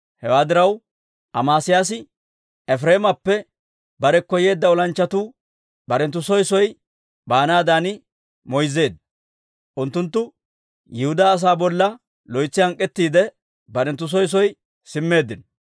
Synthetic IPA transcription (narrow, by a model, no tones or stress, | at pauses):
hɛwaːd̪ɪɾɐw | ʔɐmaːsɪjaːsɪ | ɛfɾe̞ːmɐpːɛ | bɐɾɛkːɔje̞ːd̪ːɐɔlɐnt͡ʃːɐt̪uː | bɐɾɛnt̪ːʊsɔjsɔj | baːnaːd̪aːnɪ | mɔjzːe̞ːd̪ | ʔʊnt̪ːʊnt̪ːʊ | jɪhʊd̪aːs̬aːbɔlːɐ | lɔjt͡sːɪhɐŋkʼːɛt̪ːiːd̪ɛ | bɐɾɛnt̪̬ːʊs̬ɔjs̬ɔj | sɪmːe̞ːd̪ːɪn